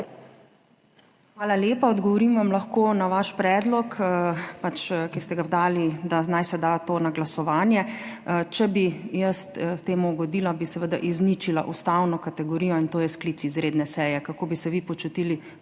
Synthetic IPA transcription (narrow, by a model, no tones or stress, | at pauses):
xʋaːlaljeːpaɔd̪ɡɔʋɔɾimʋamlɐxkoːnaʋaʃpɾɛːd̪lɔkːpat͡ʃkɛst̪ɛɡawd̪aːlid̪anajsɛd̪at̪oːnaɡlasɔʋaːnjɛt͡ʃɛbijəst̪t̪eːmuɡɔd̪ilabisɛʋəd̪aʔiznit͡ʃila̰ʔust̪awnɔkat̪ɛɡɔɾijɔint̪oːjɛsklitt͡s̪iːzɾeːd̪nɛsɛːjɛkakoːbisɛʋipɔt͡ʃut̪iːli